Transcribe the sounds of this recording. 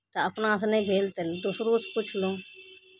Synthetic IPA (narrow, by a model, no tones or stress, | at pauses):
t̪ɐɐpnaːs̬nẽbʱeːlt̪eld̪ʊsɾuːsput͡ʃʰlũː